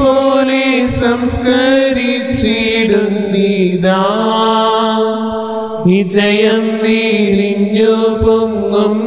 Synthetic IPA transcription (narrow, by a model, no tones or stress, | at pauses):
poːlesɐmskɐɾi | t͡ʃːiɽund̪id̪aː | ʋid͡ʒɐjɐmʋiliɲːoboŋɡɐm